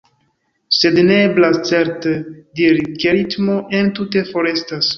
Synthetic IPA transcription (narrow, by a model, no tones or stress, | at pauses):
se̞dneeblast͡se̞ɾtediɾikeɾitmo̞ʔe̞ntute̞fo̞ɾe̞stas